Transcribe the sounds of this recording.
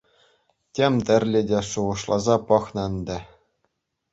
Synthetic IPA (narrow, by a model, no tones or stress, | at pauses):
tʲemʲt̪ʲɘ̆rʲlʲɘ̆dʲeʂuʁɤ̆ʂlˠɑzɑpɤ̆χnɤ̆nd̪ʲɘ̆